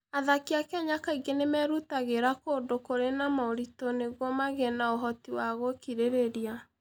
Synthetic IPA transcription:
aðakiakɛɲakaiɡenemɛɾutaɣeɾakoːndokoɾenamaoɾitoneɣwɔmaɣɛnaoɦɔtiwaɣokiɾeɾeɾia

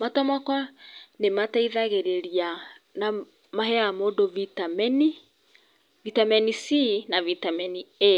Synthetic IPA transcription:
matɔmakɔnemataiðaɣeɾeɾiana | maɦɛamodovitamɛni | vitamɛnisinavitamɛnie

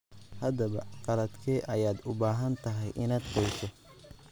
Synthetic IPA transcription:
hɐd̪ɐβɐ̰qɑlɐd̪kʰɛːʔɐjaːd̪ʊbaːɦɐnt̪ʰɐɦɛjʔɪ̰naːd̪qɔjt̪ʰɔ

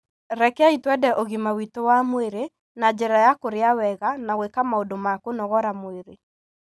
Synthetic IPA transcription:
ɾɛkɛaitwɛdɛʔoɣimawitowamweɾe | nad͡ʑɛɾajakoɾeawɛɣanaɣwekamaodomakonɔɣɔɾamweɾe

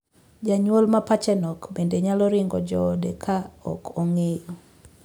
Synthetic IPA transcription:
d͡ʒaɲwolmapat͡ʃɛnɔkbendeɲalɔɾɪŋɡɔd͡ʒɔdekʰaɔ̰kʰoŋejo

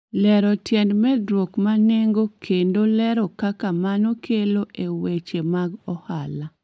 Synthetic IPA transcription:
lɛɾɔtjɛndmɛdɾwokmaneŋɡokʰendolɛɾɔkakamanokʰeloʔewet͡ʃemaɡɔhala

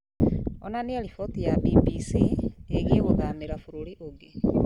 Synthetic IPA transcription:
onanielifotijabipisieɣieɣoðameɾafuɾuliʔoɡe

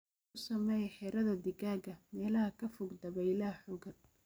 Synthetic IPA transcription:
ʊsɐmɛjħɛːɾɐðɐd̪ɪɣaːɡɐmɛːlɐhɐkʰɐfʊɡd̪ɐβɛjlaːħɔːɡɐn

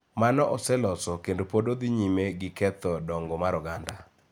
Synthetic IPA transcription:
manɔʔɔsɛlɔsɔkendopodod̪ɪɲimeɡɪkɛt̪ɔdɔŋɡɔmaɾɔɡanda

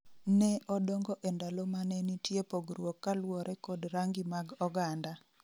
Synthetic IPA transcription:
nɛʔɔdɔŋɡɔʔendalɔmanɛnitjepoɡɾwɔkːalwɔɾʔɛkɔdɾaŋɡimaɡɔɡanda

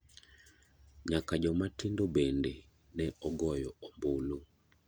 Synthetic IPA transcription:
ɲakad͡ʒɔmatindɔbɛndɛ | nɛɔɡɔjɔɔmbolu

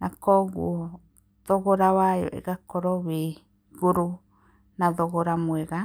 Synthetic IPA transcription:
nakoɡṵo | d̪̥oɡoɾaβajo̰ʔḛɡakoɾoβi | ɡuɾu | nad̪oɡoɾamueɡa

